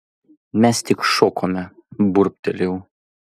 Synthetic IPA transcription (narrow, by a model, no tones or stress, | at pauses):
mʲɛst̪ʲɪkʃɔkomʲɛ | bʊɾʲp̚ʲt̪ʲɛlʲɛʊ